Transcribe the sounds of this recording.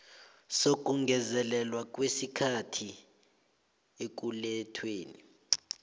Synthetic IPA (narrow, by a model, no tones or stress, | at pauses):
sok̬ʼuŋɡʱɛzɛlɛlwak̬ʼwesikʰatʰi | ek̬ulɛtʰweːni